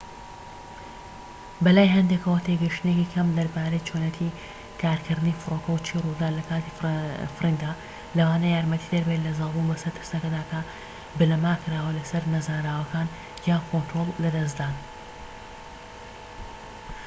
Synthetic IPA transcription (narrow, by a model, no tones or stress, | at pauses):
bɐlaːjɦɐnd̪ekʰɐwɐt̪ʰeɡɐjʃt̪ɨnecikʰɐmd̪ɐɾbaːɾejt͡ʃʰonɐt̪ʰi | kʰaːɾkʰɨɾd̪ɨnifɨɾoːkɐwt͡ʃʰiːrud̪aːlɐkaːt̪ifɨɾind̪a | lɐwaːnɐjaːɾmɐt̪id̪ɐɾbelɐzɑlˠbunbɐsɐɾt̪ʰɨɾsnɐkɐd̪aːkʰɐ | bɨlɐmaːkɨɾaːwɐlɐsɐɾnɐzaːɾaːwɐkaːn | jaːkot̪ɾolˠːɐd̪ɐs̬d̪aːn